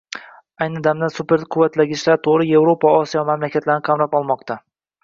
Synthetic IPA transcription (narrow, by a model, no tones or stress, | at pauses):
ajnɪd̪amd̪ansupeɾqʰʊvːat̪laɡʲɪʃlaɾt̪ʰoʁɾɪje̞vɾopʰaɒsijɒmamlakʲʰat̪laɾnɪqʰɑmɾapɒlˠmɒqt̪ʰa